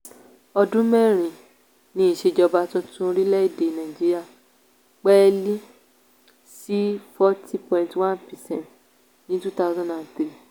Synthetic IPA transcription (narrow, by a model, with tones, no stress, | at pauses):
ɔ˧dũ˦mɛ˦˨ɾ̃ĩ˨ | nĩ˦i˨ʃe˧d͡ʒɔ˧ba˦tũ˦tũ˦˧ɾi˦lɛ˦i˦˨de˨nã˨d͡ʒi˦ɾi˦a˧˨ | k͡pɛ˦li˦ | si˦fɔ˦tʰi˦pɔ̃˨ĩ˨ntwã˦npɛ˨sɛ̃˦nt | nĩ˨˦tu˦t̪a˦wzɔ̃˦ndã˨nt̪ɾi˦